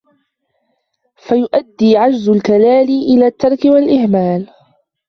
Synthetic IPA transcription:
fajʊʔad̪ːiːʕad͡ʒzʊlkalaːlɪʔɪlaːt̪ːɑɾˤkɪwalʔɪhmaːl

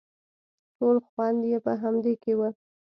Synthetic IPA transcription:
ʈolxwɑnd̪jepəɦamd̪ekewə

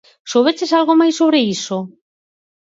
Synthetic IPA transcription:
soβet͡ʃesalɣomajsoβ̞ɾeiso

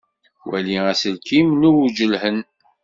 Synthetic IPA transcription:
wæliæsəlkimnuwd͡ʒəlhən

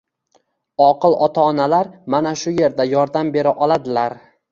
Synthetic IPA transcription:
ɒqɨlˠʔɒt̪ʰaːnalaɾmanaʃʊje̞ɾd̪ajɒɾd̪ambe̞ɾɪʔɒlˠad̪ɪlaɾ

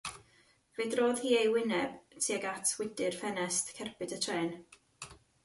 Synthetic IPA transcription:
v̥eːdroːð̥hiːejwɪnɛb̥tʰiːaɡatʰwɪdɪrfɛnɛstkʰɛrbɨdətʰrɛːn

